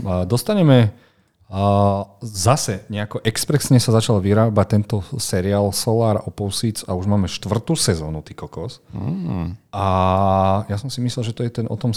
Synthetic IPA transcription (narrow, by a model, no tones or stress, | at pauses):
d̪ɔst̪aɲɛmɛ | zasɛɲɛakɔʔɛkspɾɛsɲɛsazat͡ʃalʋiɾaːbac̚t̪ɛnt̪ɔsɛɾiaːlsɔlaːɾɔpɔʊsit͡sa̰uʒmaːmɛʃt̪ʋr̩t̪uːsɛzɔːnut̪ikɔkɔs | ʔa | jasɔmsimislɛlʒɛt̪ɔjɛt̪ɛnʔɔ̰t̪ɔm